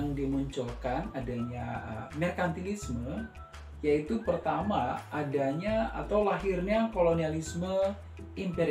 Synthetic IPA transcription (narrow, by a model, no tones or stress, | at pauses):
ŋdimuɲt͡ʃɔlkanadaɲaəmɛrkant̪ilismə | jait̪upərt̪amaːdaɲaa̰t̪awlaɦirɲakolonialismə | impeɾ